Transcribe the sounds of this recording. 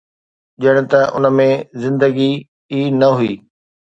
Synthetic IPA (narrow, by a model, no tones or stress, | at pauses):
ʄəɽ̃̆t̪ɐʔʊ̰nə̆mẽzɪ̃nd̪əɡi | iːnɐɦuiː